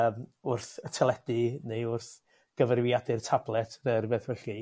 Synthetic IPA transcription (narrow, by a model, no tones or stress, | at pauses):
mʊrθətʰɛlˠɛdɨnejʊrθ | ɡ̥əvərwjadɨrtʰablˠɛtʰnərbeːθwɛɬi